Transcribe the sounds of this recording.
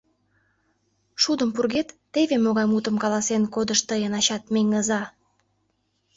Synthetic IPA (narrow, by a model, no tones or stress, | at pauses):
ʃud̪əmpurɣet̪ːevemoɣɑjmut̪ə̆mkɑlɑsenkod̪əʃt̪əjənɑɕɑt̪̚meŋəzɑ